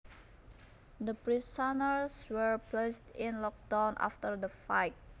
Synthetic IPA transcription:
d̪əpɹisanəɹswəɹplestɪ̃nlɔk̚dãwnʔa̰ft̪əɹd̪əfajt̚

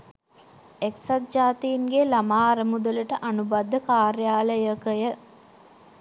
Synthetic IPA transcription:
eksat̪̚d͡ʒaːt̪iːnɡelamaːɾəmud̪ələʈəʔanubad̪ːəkaːɾjaːləjəkəjə

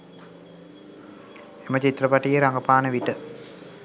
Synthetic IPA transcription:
emət͡ʃit̪rəpaʈijeɾaŋɡəpaːnəʋiʈə

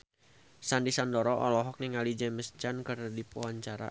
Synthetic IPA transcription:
sandisandɔɾɔʔɔ̰lɔɦɔk̚niŋalid͡ʒɛməst͡ʃankərdipuaɲt͡ʃaɾa̰

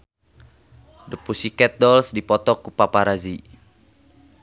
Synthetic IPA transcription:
dəpusikɛt̪̚dɔlsdipɔt̪ɔkupapaɾazi

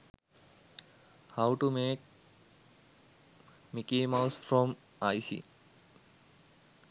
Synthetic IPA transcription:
hawʈumeːk̚ | mikiːmaʊsfɾɔm | ajsḭ

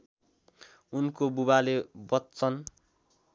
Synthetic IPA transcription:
unkobuβalebʌtːt͡sʌn

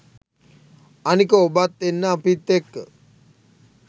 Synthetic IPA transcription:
anikəobat̪ːenːəːpit̪ːekː

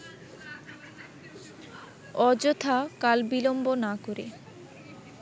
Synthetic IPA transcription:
ɔd͡ʑot̪ʰakalbilombonakoɾe

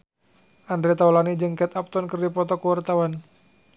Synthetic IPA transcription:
ʔandɾɛt̪aulanid͡ʒɨŋkɛt̪ap̚t̪ɔnkərdipɔt̪ɔkəwart̪awan

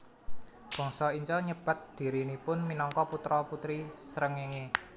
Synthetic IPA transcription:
b̥ɔ̤ŋsɔiɲt͡ʃɔɲəb̥a̤t̪̚d̪̥i̤ɾinipʊnminɔŋkɔput̪ɾɔput̪ɾisəɾəŋeŋe

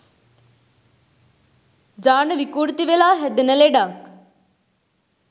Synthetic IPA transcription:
d͡ʒaːnəʋikuːɾt̪iʋelaːɦɛd̪nəleːɖaːk

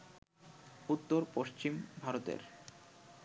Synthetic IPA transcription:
ut̪ːoɾpoʃt͡ɕimbʱaɾot̪ḛɾ

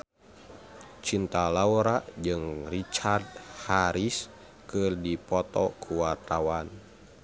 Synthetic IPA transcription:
t͡ʃint̪alauɾaʔd͡ʒɨŋrit͡ʃard̪̚haɾis | kɨrdipɔt̪ɔkʰuwart̪awan

